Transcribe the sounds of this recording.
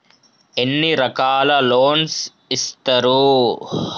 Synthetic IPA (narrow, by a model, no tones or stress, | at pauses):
enːiɾɐkaːlɐloːns | ist̪ɐɾu